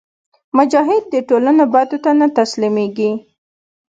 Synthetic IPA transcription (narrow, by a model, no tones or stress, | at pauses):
mʊd͡ʒɑɦɪd̪̚ːəʈolanobad̪ot̪anat̪aslimeɡi